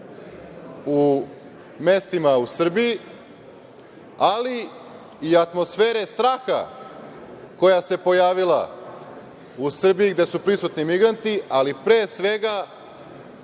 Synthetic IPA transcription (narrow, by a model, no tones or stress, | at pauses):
u | me̞st̪imausr̩biji | aliː | at̪mo̞sfe̞ːɾest̪ɾaːxa̰ | ko̞jase̞po̞jaːʋila̰ | usr̩bijiɡd̪e̞supɾisut̪nimiɡɾant̪ialipɾe̞ːsʋe̞ɡa